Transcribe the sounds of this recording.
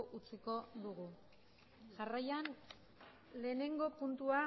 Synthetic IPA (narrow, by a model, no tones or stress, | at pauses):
ʔut͡siko̞ðuɣu | ʝarajan | le̞ːne̞ŋɡo̞punt̪ua